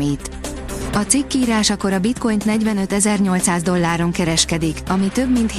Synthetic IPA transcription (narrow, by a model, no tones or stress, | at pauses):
it̪ | ɒt̪sikːiːɾaːʃɒko̞ɾɒbit̪ko̞jnt̪nɛɟvɛnø̞t̪ɛzɛrɲo̞lt̪saːzd̪o̞lːaːɾo̞ŋkɛɾɛʃkɛd̪ikɒmit̪ø̞bmint̪h